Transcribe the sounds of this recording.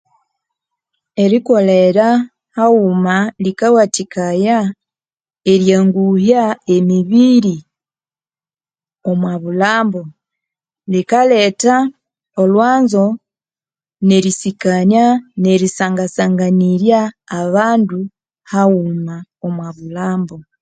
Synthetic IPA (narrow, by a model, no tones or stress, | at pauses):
eɾiko̞leɾa | haumalikawatikaja | eɾjaːŋɡuhjaemiβiɾi | o̞mwaβulaːmbo̞ | likaleta | olwaːnzo̞ | ne̞ɾisikaɲane̞ɾisaːŋɡasaŋɡaniɾjaːβaːndu | haumaomwaβulaːmbo